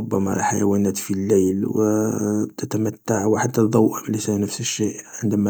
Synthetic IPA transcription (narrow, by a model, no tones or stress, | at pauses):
bːæmæ̰ɾˤɑ̰ħa̰jæ̰wænæt̪filːæjlwəbt̪ʰət̪æmæt̪ːaʕwħat̪ːæd̪ˤɑwʔəmlisænəfsəʃːiʔʕənd̪əmæ